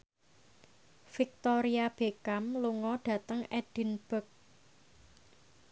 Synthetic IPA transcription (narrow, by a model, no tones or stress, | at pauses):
fik̚t̪ɔɾiab̥ekamluŋɔɖ̥ä̤t̪əŋɛɖ̥i̤nb̥ə̤k̚